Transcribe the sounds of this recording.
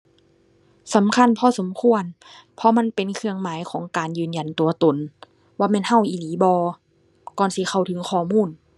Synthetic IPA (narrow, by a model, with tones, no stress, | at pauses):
sa˨˦mkʰa˧˥˨npʰɔː˧˨so˨˦mkʰu˧ən | pʰɔ˧ma˧˥˨npe˨nkʰɯ˧əŋmaː˨˦jkʰɔː˨˦ŋkaː˨njɯː˨˩nja˨nt̪u˨˩ɐt̪o˨˩n | waː˧˩mɛː˧˥˨nha˧˩wʔiː˨liː˨˦bɔː˧ | kɔː˨˩nsi˧˦xʰa˧˩wtʰɯ˨˦ŋkʰɔː˧˩muː˧˥˨n